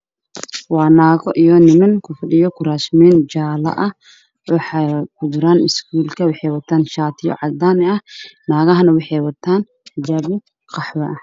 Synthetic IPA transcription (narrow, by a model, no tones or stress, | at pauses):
wɑːnaːɣɔʔijɔnɪmɐŋkʰʊfɐɗɪjɔkʰʊɾaːʃmɛːnd͡ʒaːlɐ̰ʔɐ | wɑħakʰʊd̪ʊɾaːnɪskʰuːlkʰɐwɑħɛjwɐt̪ʰaːnʃaːt̪ʰɪjɔ̰ʕɑd̪aːnɛɐnaːɣɐɦɐnɐwɑħɛjwɐt̪ʰːaːn | d͡ʒaːbɪ | qɑħwɛʔɐ